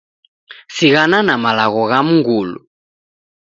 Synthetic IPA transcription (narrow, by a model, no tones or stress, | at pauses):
siɣananamalaɣɔɣam̩ŋɡulṵ